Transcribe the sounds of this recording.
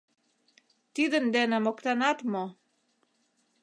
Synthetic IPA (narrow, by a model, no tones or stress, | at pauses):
t̪id̪ə̆nd̪enĕmokt̪ɑnɑt̪mo